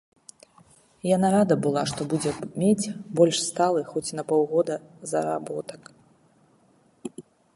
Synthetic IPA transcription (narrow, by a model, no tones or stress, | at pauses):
janaɾad̪ɐbɨlˠaʂt̪ɔbud͡zʲɛmʲet͡sʲbɔlʲʂst̪alˠɨxɔt͡sʲnɐpɔwɣɔd̪ɐzɐɾa̰bɔt̪ɐk